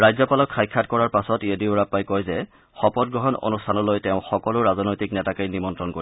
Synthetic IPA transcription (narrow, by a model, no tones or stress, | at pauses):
ɹajzɔpalɔkxajkʰːatkɔɹaɹpasɔtiediʊɹapːajkɔjzɛ | xɔpɔt̚ɡɹɔɦɔno̰nustʰanɔlojtɛʊ̃xɔkɔlʊɹazɔnojtiknɛtakajnimɔntɹɔnkoɹi